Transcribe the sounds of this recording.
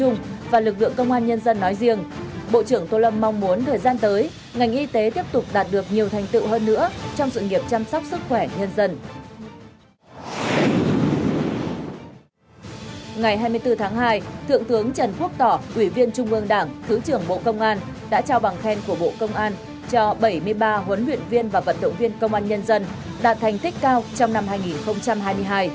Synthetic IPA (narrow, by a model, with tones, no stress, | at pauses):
t͡ɕʊ˧ŋ͡mvaː˨˩lɨ˨˩k̚lɨ̰˧˨əŋkə˧wŋ͡mʔaː˧nɲə˧nzə˧nːɔ˨˦jzi˧əŋɓo̰˧˨t͡ɕɨ˧˩əŋt̪o˧lə˧p̚ma˧wŋ͡mmu˨˦ənt̪ʰəː˨˩jzaː˧nt̪əː˨˦j | ŋa˨˩jŋ̟ʔi˧t̪e˨˦t̪i˦˥əp̚t̪ʊ˨˩k͡p̚ɗaː˨˩t̚ɗɨ˨˩ək̚ɲi˨˩əwt̪ʰa˨˩ŋ̟t̪ɨ̰˧˨wɦəː˧nːɨ̰˧˥ət͡ɕɔ˧wŋ͡msɨ̰˧˨ŋi˨˩əp̚t͡ɕa˧msa˦˥wk͡p̚sɨ˦˥k̚xwɛ˧˩ɲə˧nzə˧n | ŋa˨˩jɦaː˧jmɨ˧əjt̪ɨ˧t̪ʰaː˨˦ŋɦaː˧jt̪ʰɨ̰˧˨əŋt̪ɨ˨˦əŋt͡ɕə˨˩nku˦˥ək̚t̪ɔ˧˩ʔwi˧˩vi˧ənt͡ɕʊ˧ŋ͡mʔɨ˧əŋɗaː˧˩ŋt̪ʰɨ˨˦t͡ɕɨ˨˧˩əŋɓo̰˧˨kə˧wŋ͡mʔaː˧n | ɗa̰ː˧˥t͡ɕaː˧wɓa˨˩ŋxɛ˧nku˧˩əɓo̰˧˨kə˧wŋ͡mʔaː˧n | t͡ɕɔ˧ɓə˧˩jmɨ˧əjɓaː˧ɦwə˨˦nlwḭ˧˨ənvi˧ənvaː˨˩və˨˩t̚ɗə̰˧˨wŋ͡mvi˧ənkə˧wŋ͡mʔaː˧nɲə˧nzə˧nɗaː˨˩t̚t̪ʰa˨˩jŋ̟t̪ʰi˦˥k̟̚kaː˧wt͡ɕɔ˧wŋ͡mna˧mɦaː˧jŋi˨˩nxə˧wŋ͡mt͡ɕa˧mɦaː˧jmɨ˧əjɦaː˧j